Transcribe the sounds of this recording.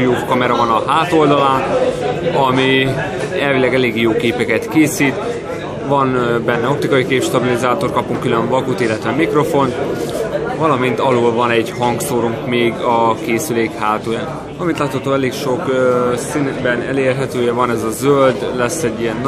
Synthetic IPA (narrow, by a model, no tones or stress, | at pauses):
joːkːɒmɛɾɒvɒnɒɦaːt̪o̞ld̪ɒlaːn | ɒmi | ɛlvilɛɡɛleːɡjoːkeːpɛkɛt̪keːsiːt̪ | vɒnbɛnːɛo̞p̚t̪ikɒjikeːpʃt̪ɒbilizaːt̪o̞rkɒpuŋkyløɱvɒkut̪ilːɛt̪ʋɛmikro̞fo̞nt̪ | vɒlɒmint̪ɒloːlvɒnɛɟhɒŋɡsoːɾuŋkmeːɡɒkeːsyleːkhaːt̪oːjan | vɒlɒmint̪laːt̪hɒt̪oːɛleːkʃo̞ksinbɛnɛleːrɦɛt̪øːjɛvɒnɛzɒzøld̪lɛsːɛɟːijɛnː